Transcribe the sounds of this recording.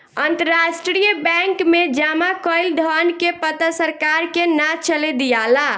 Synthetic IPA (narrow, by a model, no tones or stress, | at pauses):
ənt̪əɾasʈɾɾijəbɛ̃ŋkmed͡ʒamakəɪld̪ʱənkepət̪əsəɾkaɾkenat͡ʃəled̪ijala